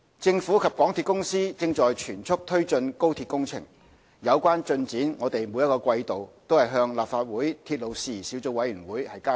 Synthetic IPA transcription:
t͡sɪ˧ŋfuː˨˥kʰɐ˨p̚kɔː˨˥ŋt̪ʰi˧t̚kʊ˥ŋsiː˥t͡sɪ˧ŋt͡ʃɔː˨jt͡ʃʰyː˨˩nt͡sʰʊ˥k̚t̪ʰɵ˥ɥt͡sɵ˧nko˥wt̪ʰiː˧t̚kʊ˥ŋt͡sʰɪ̰˨˩ŋ | jɐ˨˧wkwaː˥nt͡ʃɵ˧nt͡siː˨˥nŋɔː˨˧t̪e˨jmu˨˧jɐ˥tkɔː˧kwɐ˧jt̪o˨˩wt̪o˥whɐ˨jɦœː˧ŋlaː˨p̚faː˧t̚wuː˨˥jt̪ʰiː˧t̚lo˨wsiː˨˩siː˨˥wt͡so˧wɐ˨˧˥jyː˨˩nwuː˨˥jhɐ˨jkaː˥

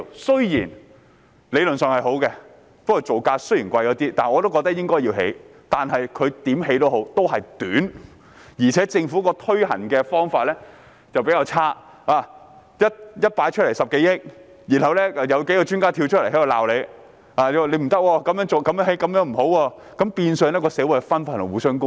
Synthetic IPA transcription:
sɵ˥ɥjiː˨˩n | le˨˧jlɵ˨nsœː˨ŋhɐ˨jɦo˨˥wkɛ˧ | pɐ˥kʰɔ˨˩t͡so˨˩wkaː˧sɵ˥ɥjiː˨˩nkʷɐ˧jkɔː˨˥t̪iː˥t̪aː˨˩ɔː˨˧t̪o˥wkɔː˧k̚t̪ɐ˥k̚jɪ˥ŋkɔː˥ji˧wɦḛ˨˥j | t̪aː˨nɦɐ˨jkʰɵ˨˧t̪iː˨˥mɦe˨˥jt̪o˥wɦo˨˥wt̪o˥wɦɐ˨jt̪yː˨˥n | jiː˨˩t͡sʰɛː˨˥t͡sɪ˧ŋfuː˨˥kɔː˧t̪ʰɵ˥ɥhɐ̰˨˩nkɛː˧fɔː˥ŋfaː˧t̚lɛː˥ | t͡sɐ˨wpe˨˥jaː˧wt͡sʰaː˥ | aː˨˩ | jɐ˥t̚jɐ˥t̚paː˨˥jt͡ʃʰɵ˥t̚le˨˩jsɐ˨p̚ke˨˥jɪ˥k̚ | jiː˨˩nhɐ˨˩wlɛː˥˧jɐ˨˧wke˨˥jkɔː˧t͡ʃyː˥nkaː˥t̪ʰiː˧wt͡ʃʰt̚le˨˩hɐ˨˥jɐ˨la̰ː˨wle˨˧j | aː˨jwle˨˧jm̩˨˩t̪ɐ˥k̚wɔː˧kɐ˧˥mjœː˨˥ŋt͡so˨wkɐ˧˥mjːɦe˨˥jkɐ˨˧˥mjœː˨˥ŋm̩˨˩ho˨˥wɔː˧ | kɐ˨˥mpiː˧nsœː˨˧ŋlɛː˥kɔː˧sɛː˨˥wu˨˥jhɛ˨fɐ˥nfaː˥˩nlʊ˨˩wuː˨˥sœː˥ŋkʊ˥ŋ

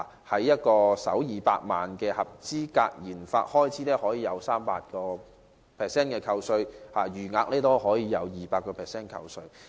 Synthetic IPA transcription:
hɐ˨˥jːɐ˥t̚kɔː˧sɐ̰˨˥wjiː˨˧pa̰ː˧k̚maː˨nkɛː˧hɐ˨p̚t͡siː˥ka̰ː˧k̚jiː˨˩nfa̰ː˧t̚hɔː˥jt͡sʰiː˨˥lɛː˥hɔː˨˥jiː˨˧jɐ˨˧wsaː˥mpaː˧t̚kɔː˧ | pʰɛː˨sɛː˥nkɛː˧kʰɐ˧wsɵ˧ɥhaː˨˩jyː˨˩ŋaː˧k̚lɛː˥t̪o˥wɦɔː˨˥jiː˨˧jɐ˨˧wjiː˨paː˧t̚kːɔː˧pʰɛː˨sɛː˥nkʰɐ̰˧wsɵ˧ɥ

